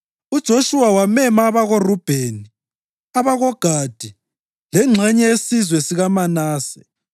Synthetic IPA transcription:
ud̥ʒ̥ʱoʃuwawamɛmaːβaɣorub̥ʱeːni | aβaɣɔɡ̥ʱad̥ʱi | lɛŋ͡ǁʱɛɲɛesizwɛsiɣamanaːsɛ

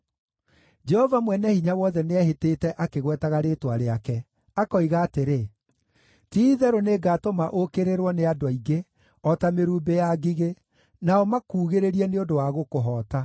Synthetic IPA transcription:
d͡ʒɛhɔvamwɛnɛhiɲawɔðɛneɛheteːtɛʔakeɣwɛtaɣaɾetwaɾeakɛ | akɔiɣaːteɾe | tiːðɛɾoneɡaːtomaʔokeɾeɾwɔneadwaiɡe | ɔtameɾuːmbejaɡiɣe | naɔmakuːɣeɾeɾiɛneondowaɣokoɦɔːta

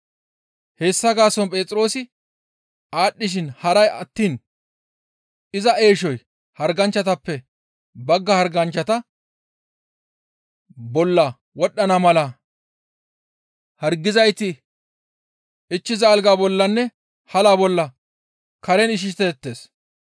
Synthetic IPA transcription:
he̞ːsːɐɡaːsɔnpʼe̞ːt͡sʼɾoːsɪ | aːɗːɪʃ̬ɪnhɐɾɐjɐt̪ːiːn | ɪzɐʔe̞ːʃɔj | hɐɾɡɐnt͡ʃːɐt̪ɐpːɛ | bɐɡːɐhɐɾɡɐnt͡ʃːɐt̪ɐ | bɔlːɐ | wɔɗːɐnɐmɐlɐ | hɐɾɡːɪzɐjt̪ɪ | ɪt͡ʃːɪzɐːlɡaːbɔlːɐnːɛ | hɐlabɔlːɐ | kɐɾɛnɪʃ̬ɪʃt̪ɛt̪ːe̞ːs

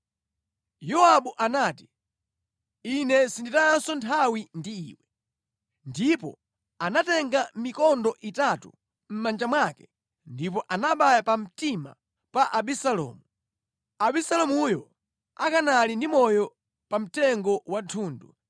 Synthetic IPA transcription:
jɔaɓuʔanaːti̥ | inɛsinditajansɔntʰawindiḭːwɛ | ndipɔ̰ | anatɛŋɡamikɔndɔʔitatṵ | m̩mand͡ʒamwakɛ̥ | ndipɔʔanaɓajapam̩tima̰ | paʔaɓisalɔ̰ːmu | aɓisalɔmujɔ | a̰kanalindimɔjɔ | pam̩tɛŋɡɔwatʰuːndṵ

